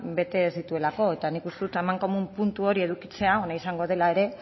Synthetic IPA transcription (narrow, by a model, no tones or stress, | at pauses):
be̞t̪e̞ːzðit̪ue̞lako̞e̞t̪anikust̪eðut̪emaŋko̞mumpunt̪uo̞ɾie̞ðukit͡se̞aonaisaŋɡo̞ð̞e̞lae̞ɾe̞